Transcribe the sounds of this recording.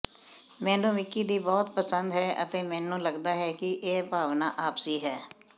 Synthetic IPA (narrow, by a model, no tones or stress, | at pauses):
mɛ̃ːnũːmɪkːiːd̪iːbɔːt̪pəsənd̪ɦɛːʔə̰t̪eːmɛ̃ːnũːləɡd̪aːɦɛːkɪʔeːpaːʋnaːʔaːpsiːɦɛː